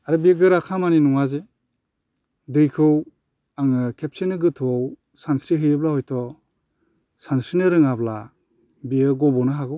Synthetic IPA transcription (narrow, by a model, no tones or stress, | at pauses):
aɾɯbiɡɯɾakʰamaninɔŋaze | dɯjkʰɯw | aŋɯkʰep̚senɯɡɯtʰuɔw | sansɾiɦɯjɯblahɔjtʰɔ | sansɾinɯɾɯŋabla | biɯɡɔbɔnɯɦaɡɯw